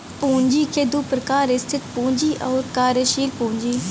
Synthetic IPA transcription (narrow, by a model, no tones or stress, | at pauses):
pũːnd͡ʒiːkʰeːd̪upɾəkaːɾɪst̪ʰɪt̪pũːɲd͡ʒiːʔɔːɾkaːɾəʃiːlpũːɲd͡ʒiː